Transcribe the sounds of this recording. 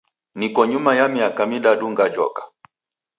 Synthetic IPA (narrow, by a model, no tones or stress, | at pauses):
nikɔɲumajamiakamiɗaɗuŋɡad͡ʒɔ̰kḁ